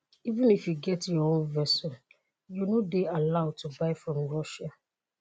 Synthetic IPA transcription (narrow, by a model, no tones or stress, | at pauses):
ivə̃nifjuɡɛtjɔõnvɛsɔ | junodealaʊd̚tʰubaɪfɹɔ̃mɹɔʃa